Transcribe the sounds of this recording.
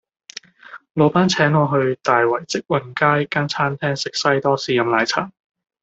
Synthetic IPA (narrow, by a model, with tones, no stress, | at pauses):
lo˨˧wpaː˥nt͡sʰɛː˨˥ŋɔː˧ɦɵ˧ɥt̪aː˨jwɐ˨˩jt͡sɪ˥k̚wɐ˨˩nkaː˥jkaː˥nt͡sʰaː˥nt̪ʰɛː˥ŋsɪ˨k̚sɐ˥jt̪ɔː˥siː˨˧jɐ˨˧mlaː˨˧jt͡sʰa̰ː˨˩ŋ